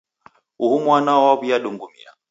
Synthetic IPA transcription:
uhumwanaɔwaβijaɗuŋɡumḭa̰

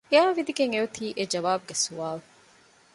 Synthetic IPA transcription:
eaːʋid̪iɡeŋeut̪ʰiːʔed͡ʒɐʋaːbuɡesuʋaːlu

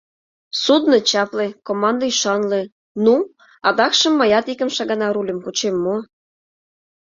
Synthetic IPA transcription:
sud̪not͡ɕɑplekomɑnd̪əyʃɑnle | nu | ɑd̪ɑkʃə̆mːɑjɑt̪ikə̆mʃɑɣɑnɑɾulʲə̆mkut͡ɕemːo

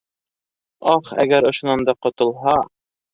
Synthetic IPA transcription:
ɑχæ̰ɡæɾŏʃŏnɑnd̪ɑqŏt̪ŏlˠɦɑ

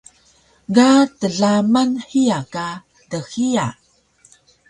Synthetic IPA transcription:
ɡatəɮamanħiaka | dəxia̰

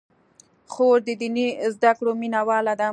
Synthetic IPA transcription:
xoɾd̪əd̪inizd̪akɽominawɑlad̪a

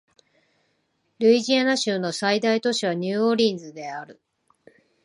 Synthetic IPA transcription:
ɾɯ̟iʑianaɕɨːno̞said̪ait̪o̞ɕiβ̞aɲ̟ɨːoɾʲĩnd͡zɨd̪e̞aɾɯ̟

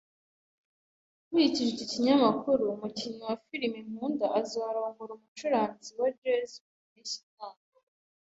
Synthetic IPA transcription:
mujiciʒeciciɲamakʰuɾuːmuciɲowafiɾimim̥uːndaʔazaaɾoŋɡuɾumut͡ʃuɾaːnziwad͡ʒezuunisi̥taːŋo

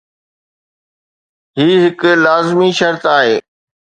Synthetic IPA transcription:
ɦiːɦɪklaːzmiʃɐɾt̪aːɦeː

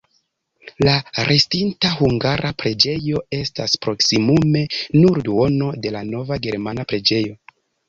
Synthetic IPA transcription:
laɾʔe̞stintaɦuŋɡaɾʔapɾe̞d͡ʒe̞jo̞e̞staspɾo̞ksimume̞nuɾduo̞no̞de̞lano̞vaɡe̞ɾmanapɾe̞d͡ʒe̞jo̞

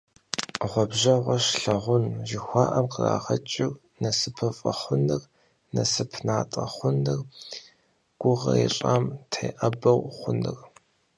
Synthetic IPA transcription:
ʁʷɔbʑɐʁʷɔʃɬɐʁʷʊnʒɪxʷɑːʔɐmqəra̰ːʁɐt͡ʃʼɪr | nɐsɨpʰɐfʼɐχʷʊnɨr | nɐsɨpʰnaːtʼɐ̰χʷʊnɨr | ɡ̥ʷʊʁɐ̰eɕʼaːmtʰḛːʔɐbɐwχʷʊnɨ̰r

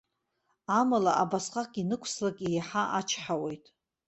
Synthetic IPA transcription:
amalaʔabasqʼakʼinɨkʷʰslakʲʼijaħaʔat͡ʃʰħawe̞jtʼ

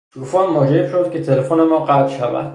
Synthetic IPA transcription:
t̪ʰuːfɒnmɒːd͡ʒeɾefʃod̪̥̚kʰʲet̪ʰelefonemɒːɢæt̪ʃævæ̰d̪̥

